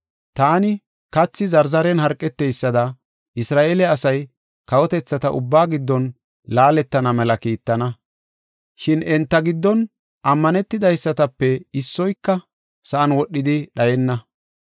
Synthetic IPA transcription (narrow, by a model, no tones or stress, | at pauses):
t̪aːnɪ | kɐt͡sːɪzɐɾzɐɾɛnhɐɾkʼːɛt̪ːɛjsːɐd̪ɐ | ɪsɾaːʔelɛɐsɐj | kɐwɔt̪ɛt͡sːɐt̪ɐʔʊ̰bːaːɡɪd̪ːɔn | laːlɛt̪ːɐnɐmɛlɐkiːt̪ːɐnɐ | ʃɪnɛnt̪ːɐɡɪd̪ːɔn | ʔɐmːɐnɛt̪ːɪd̪ɐjsːɐt̪ɐpːɛɪsːɔjkːɐ | sɐʔɐnwɔɗːɪd̪ɪɗɐjɛnːɐ